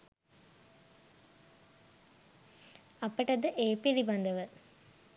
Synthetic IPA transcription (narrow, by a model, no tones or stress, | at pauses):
ɐpːɐʈɐd̪ɨʔeːpiɾibɐnd̪ɐʋə